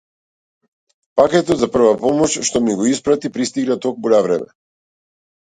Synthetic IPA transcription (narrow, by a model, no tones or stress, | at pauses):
pakɛt̪ɔt̪zapr̩vapɔmɔʃʃt̪ɔmiɡɔispɾat̪ipɾist̪iɡnat̪ɔk̚muɾavɾɛmɛ̰